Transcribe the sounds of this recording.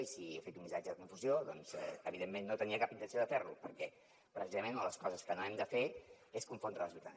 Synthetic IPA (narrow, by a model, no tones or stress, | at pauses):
isiefet̪umːisad͡ʒəðəkuɱfuzjoðɔnz̥ɛ̰əβiðemːenːot̪əniəkapint̪ənsioðəfeɾlṵpəɾkɛ | pɾəsizəmẽnələskɔzəskənoɛmd̪əfe | eskuɱfond̪ɾaləzβit̪a̰n